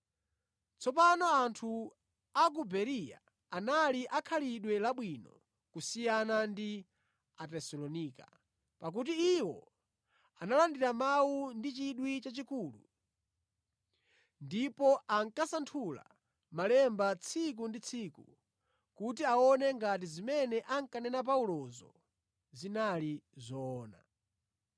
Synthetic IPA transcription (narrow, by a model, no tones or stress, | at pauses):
t͡sʰɔpanɔantʰu | ak̬ubɛɾija̰ | analiʔakʰaliɗwɛlaɓwinɔ̰ | kusijanandi | atɛsɔlɔniːka | pak̬ut̬iiwɔ̰ | analandiɾamawundit͡ʃiɗwit͡ʃat͡ʃikuːlṵ | ndipɔaŋkasantʰula̰ | malɛmbat͡sʰik̬undit͡sʰikṵ | kut̬iaɔnɛŋɡat̬izimɛnɛʔaŋkanɛnap̬aulɔzɔ̰ | zinalizɔːna̰